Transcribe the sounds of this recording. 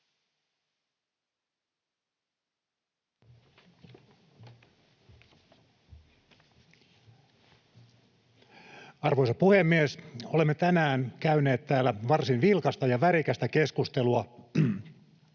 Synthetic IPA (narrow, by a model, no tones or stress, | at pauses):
ɑrʋojsɑpuhemːiesolemːet̪ænæːnkæyne̞ːt̪tæːlːæʋɑrsinʋilkɑst̪ɑjɑʋæɾikæst̪æke̞skust̪eluɑ